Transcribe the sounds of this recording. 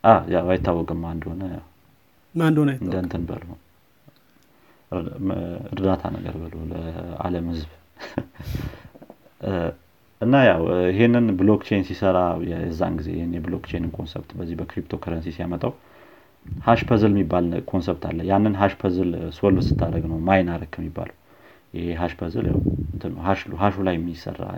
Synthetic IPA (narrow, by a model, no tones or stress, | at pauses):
ʔajawajɪt̪ʰːawːɔkʼɨmːand̪honəjaw | mand̪onɨnd̪ənt̪ʰɨnbə̰lhu | ɨɾd̪at̪ʰa̰nə̰ɡə̰ɾbɨloləa̰ləmhɨzβ | ʔɨnːajawɪɦe̞nːɨnbɨlo̞kt͡ʃʰejnsisəɾajɛzːa̰nɡize̞̰jɪhɪnjɛblokt͡ʃʰejnɨnkʰo̞nsɛ̰bt̪bəzːihbəkɾip̚t̪ʰo̞kʰəɾənsisijamət̪ʼəw | haʃpʰəzɨlɛmːibːalkʰo̞nsɛp̚t̪ʰa̰lːəjanːɨnɦaʃpʰəzɨlswəlɨsɨ̥t̪ʰːaɾəɡnəwmajnaɾəkʰːəmːibːa̰ləw | jɪheɦaʃpʰəzɨ̰lja̰wmɨnt̪ʰɨnːəwɦaʃɦaʃulajɛmːjɪsə̰rːa̰